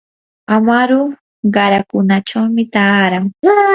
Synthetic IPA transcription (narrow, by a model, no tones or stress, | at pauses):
amaɾʊ | ɢɑɾakʊnat͡ʃawmɪt̪aːɾaŋ